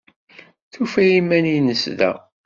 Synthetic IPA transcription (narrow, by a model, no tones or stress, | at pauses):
θufæjimæninəsðæ̰